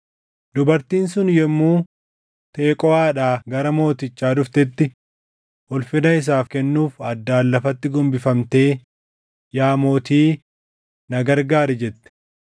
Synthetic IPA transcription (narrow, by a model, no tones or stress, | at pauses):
d̪ʊbɐɾt̪iːnsʊnjɛmːuː | t̪e̞ːkʼɔaːᶑaːɡɐɾɐmo̞ːt̪ɪt͡ʃːaːᶑʊft̪ɛt̪ːɪ | ɔlfɪnɐɪs̬aːfkɛnːuːfɐd̪ːaːlːɐfɐt̪ːɪɡɔmbɪfɐmt̪e̞ː | jaːmo̞ːt̪iː | nɐɡɐɾɡaːɾɛd͡ʒɛt̪ːɛ̥